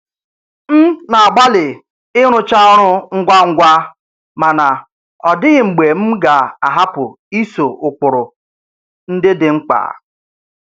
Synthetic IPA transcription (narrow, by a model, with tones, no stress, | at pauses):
m̩˦na˨a˨ɡ͡ba˦lɪ˨ | ɪ˦ɾ̃ʊ˦t͡ʃa˦ɔ˦ɾʊ˦ŋ̩˦ɡʷa˦ŋ̩˦ɡʷa˦ | ma˨na˨ | ɔ˨dɪ˦ɣɪ˨ŋ͡m̩˨ɡ͡be˨m̩˦ɡa˨a˨ɦa˦pʊ˨ | i˦so˨ʊ˨k͡pʊ˨ɾʊ˨ | n̩˦dɪ˦dɪ˨ŋ͡m̩˦k͡pa̰ː˨